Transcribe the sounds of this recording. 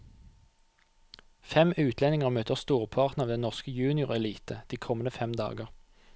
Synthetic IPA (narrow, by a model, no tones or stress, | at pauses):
fɛmʉːt̪ʰlɛnɪŋəʁmøːt̪əʁst̪uːʁpʰɑʁt̪n̩ɑʋd̪ɛnɔʁskəjʉːnɪʊʁɛliːt̪əd̪̥iːkʰɔmənəfɛmd̪ɑ̰ːɡəʁ